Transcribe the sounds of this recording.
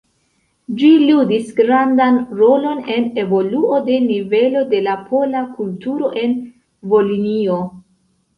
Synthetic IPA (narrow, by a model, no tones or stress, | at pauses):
d͡ʒiludisɡɾandanɾo̞lo̞ne̞ne̞vo̞luo̞de̞nive̞lo̞de̞lapʰo̞lakultuɾo̞ʔe̞n | vo̞linio̞